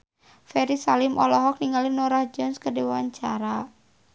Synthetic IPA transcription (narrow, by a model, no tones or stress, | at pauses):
fɛɾisalimʔɔ̰lɔɦɔk̚niŋalinɔɾahd͡ʒɔnskədewaɲt͡ʃaɾa